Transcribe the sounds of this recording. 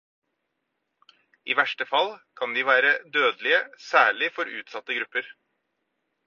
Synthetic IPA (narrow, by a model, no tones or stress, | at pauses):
iːʋæʂʈəfɑlkʰɑnd̪iːʋæːɾəd̪øːd̪lɪəsæːɭɪfɔɾʉ̰ːt̪sɑt̪ːəɡɾʉpːəɾ